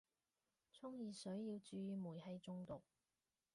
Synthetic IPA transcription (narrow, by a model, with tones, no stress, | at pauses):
t͡sʰʊ˥ŋjiː˨˧sɵ˨˥ɥjjiː˧wt͡ʃyː˧jyː˧muː˨˩jhɐ˧jt͡sʊ˧ŋt̪ʊ˨k̚